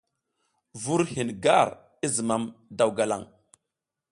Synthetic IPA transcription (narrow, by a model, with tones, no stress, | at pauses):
vu˦ɾhi˨n˨ɡa˦˨ɾ | i˦zi˨ma˨mda˨wɡa˨la̰˨ŋ